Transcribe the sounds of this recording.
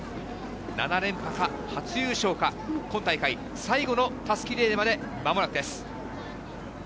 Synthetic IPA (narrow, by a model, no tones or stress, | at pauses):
na̰naɾẽ̞mpaka | hat͡sɨjɯːɕo̞ːkakõ̞nt̪aikai | saiɡo̞no̞t̪asɨ̥kʲiɾe̞ːmad̪e̞mamo̞ɾakɯ̟d̪e̞sɨ̥